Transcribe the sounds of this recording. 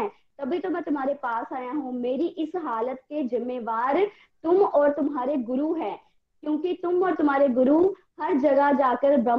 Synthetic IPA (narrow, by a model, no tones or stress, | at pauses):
ɛ | t̪ɐbʱit̪omɛ̃ːt̪ʊmɦaːɾepaːsaːjãːɦũːmeːɾiʔɪsɦaːlət̪̚kezɪmːeːʋaːɾ | t̪ʊmɔːɾt̪ʊmɦaːɾeɡʊɾuːɦɛː | kjõːkit̪ʊmɔːɾt̪ʊm̤ɦaːɾeɡʊɾuː | hɐɾd͡ʒɐɡad͡ʒaːkəɾbɐ